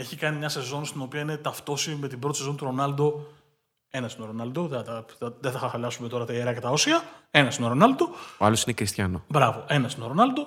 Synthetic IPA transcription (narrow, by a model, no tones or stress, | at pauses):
e̞çikɐnimɲɐse̞zo̞nst̪ino̞piɐine̞t̪ɐft̪o̞sime̞t̪ibɾot̪ise̞zo̞nit̪uɾo̞nɐld̪o̞ | e̞nɐst̪ino̞ɾo̞nɐld̪o̞ðt̪ɐɐðeθɐxɐxɐlɐsume̞t̪o̞ɾɐt̪ɐeɾɐcet̪ɐosiɐe̞nɐst̪inoɾo̞nɐld̪o̞oɐ̰losinekɾist̪çɐno̰bɾɐvo̞ʔe̞nɐst̪inoɾo̞nɐld̪o̞